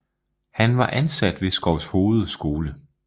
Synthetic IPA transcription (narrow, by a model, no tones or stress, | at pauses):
hænʋɑ̈ʔænsæd̥ʋe̝sɡ̥ɒʊsho̝ːð̞̩ˠsɡ̥o̝ːlə